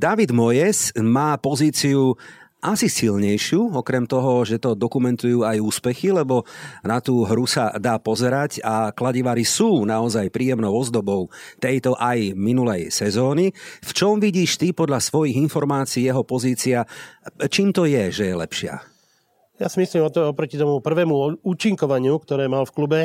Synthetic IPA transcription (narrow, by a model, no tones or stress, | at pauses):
d̪aʋid̪mɔjɛsmaːpɔziːt͡siuʔasisilɲɛjʃɪuɔkɾɛmt̪ɔɦɔʒɛt̪ɔd̪ɔkumɛnt̪ujuːajuːspɛxilɛbɔnat̪uːɦɾusa̰d̪aːpɔzɛɾacaklaɟiʋaɾisuːnaɔzajpɾiːjɛmnɔʊɔzd̪ɔbɔʊt̪ɛjt̪ɔʔajminulɛjsɛzɔːnift͡ʃɔmʋiɟiːʃt̪ipɔd̪ʎasʋɔjiɣinfɔɾmaːt͡siːjɛɦɔpɔziːt͡siat͡ʃiːmt̪ɔjɛʒɛjɛlɛ̰pʃɪa̰ | jasimisliːmɔɔpɾɔcit̪ɔmupr̩ʋɛːmuuːt͡ʃiŋkɔʋaɲɪukt̪ɔɾɛːmalfklubɛ